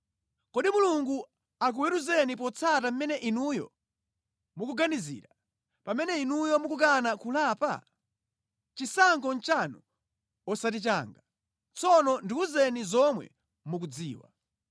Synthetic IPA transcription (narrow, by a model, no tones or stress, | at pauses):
kɔɗimuluŋɡu | ak̬uwɛɾuzɛnip̬ɔt͡sʰatam̩mɛnɛʔinujɔ̰ | mukuɡanizḭːɾa | pamɛnɛinujɔmukuk̬anakulaːpa̰ | t͡ʃisaŋkɔnt͡ʃanu | ɔsatit͡ʃa̰ːŋɡa | t͡sɔnɔndiuzɛnizɔmwɛ̰ | muk̬ud͡ziːwa̰